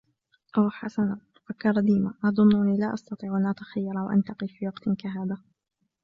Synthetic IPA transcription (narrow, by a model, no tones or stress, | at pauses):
ʔaħasanat̪ʊ̥fakːɑɾˤɑd̪iːmaʔɑðˤʊnːʊniːlaːʔɑst̪ɑt̪ˤiːʕʔanʔat̪ḁxajːɑɾˤɑwaʔa̰nt̪ɑqifiːwɑqt̪ɪkaɦaːðaː